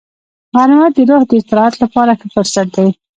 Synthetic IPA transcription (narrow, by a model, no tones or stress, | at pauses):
ɣɑɾɪmat̪̚d̪əɾohd̪əɪst̪ɪɾɑat̪lapɑɾaxəpəɾsaʈ̚d̪aj